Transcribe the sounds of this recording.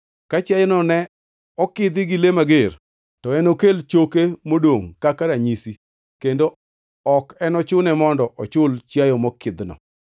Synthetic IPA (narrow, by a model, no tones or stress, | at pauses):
kat͡ʃjajɔnɔnɛ | ɔkɪd̪ɪɡɪlemaɡer | tɔɛnokelt͡ʃokemodoŋkakaɾaɲisi | kendo | ɔkɛnɔt͡ʃʊnɛmɔndɔʔɔt͡ʃʊlt͡ʃjajɔmɔkɪd̪nɔ̰